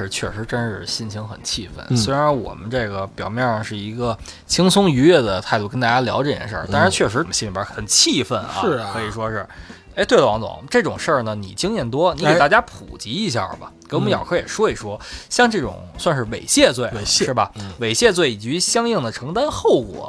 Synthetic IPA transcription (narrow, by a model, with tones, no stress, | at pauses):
ɻ̩˧t͡ɕʰɥɛ˥˩ʂɻ̩˧˥ʈ͡ʂə˥nʂɻ̩˥˧˩ɕi˥˩nɕʰi˧˥ŋxə̰˨˩nt͡ɕʰi˥˧fə̰˥˩nswe˥ɪɻa˧˥nwɔ̰˨˩mə˦nʈ͡ʂɤ˥˩ɡə˩pjɑ˨˩ʊmjɛ˥˧˩nə˩ʂɻ̩˥˩i˧˥ɡə˧ | t͡ɕʰi˥ŋt͡sʰʊ˥ŋy˧˥ɥɛ˥˩d̪ə˩t̪ʰa˥˧ɪt̪u˥˩kə˥nt̪a˥˩t͡ɕja˥ljɑ˧˥ʊʈ͡ʂɤ˥˩jɛ̰˥˩nʂə̰˥˧˩t̪a˥nʂa˧˥t͡ɕʰɥɛ˥˩ʂɻ̩˧˥˩mə˦ɕi˥li˨˩bə˧˥xə˨˩nt͡ɕʰi˥˩fə˥˩nɐ̰˧˥˩kʰɤ˧˥i˨˩ʂwɔ˥ʂɻ̩˥˩ | e˧˥t̪we˥˩lə˩wɑ˧˥ŋt͡sʊ̰˨˧˦ŋʈ͡ʂɤ˥˩ʈ͡ʂʊ̰˨˩ŋʂə˥˩nə˩nḭ˨˩t͡ɕi˥ŋjɛ˥˩nt̪wɔ˥ni˧˥e˨˩t̪a˥˩ja˥pʰṵ˨˩t͡ɕi˧˥i˧˥ɕ̬ja̰˥˧˩bɐ̰˩ke˧˥wɔ˨m˦˩jɑ˨˩ʊkʰɤ˧˥jɛ˨˩ʂwɔ˥i˨˩ʂwɔ˥ɕjɑ˥˧ŋʈ͡ʂɤ˥˩ʈ͡ʂʊ̰˨˩˦ŋswa˥˧nʂɻ̩˥˩ʋe˨˩ɪɕjɛ˥˧t͡swe˥˩ɪ˧ʂɻ̩˥˩bɐ˩ʋe˨˩ɪɕjɛ˥˧t͡swe˥˩ɪi˨˩t͡ɕi˧˥ɕjɑ˥ŋji˥˩ŋd̪ə˩ʈ͡ʂʰɤ˧˥ŋt̪a˥nxo˥˩ʊkwɔ̰˨˩˦